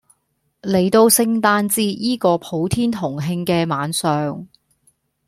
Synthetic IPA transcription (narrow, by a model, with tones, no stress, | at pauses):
le˨˩jt̪o˧wsɪ˧ŋt̪aː˧nt͡siː˥jiː˥kɔː˧pʰo˨˧˥wt̪ʰiː˥nt̪ʰʊ˨˩ŋɦɪ˧ŋkɛː˧maː˨˧nsœː˨ŋ